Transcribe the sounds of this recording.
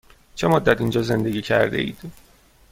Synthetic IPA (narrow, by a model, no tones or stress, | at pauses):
t͡ʃʰe̞mod̪ːæt̪ind͡ʒɒːze̞nd̪eɡʲiːcʰæ̰ɾd̪eʔḭːd̪̥